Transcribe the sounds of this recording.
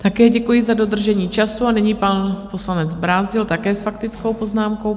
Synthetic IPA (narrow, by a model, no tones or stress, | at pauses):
t̪akɛːɟɛkujɪzado̞d̪r̩ʒɛɲiːt͡ʃasuanɛɲiːpanpo̞slanɛd͡zbɾaːzɟɪlt̪akɛːsfakt̪ɪt͡sko̞wpo̞znaːmko̞w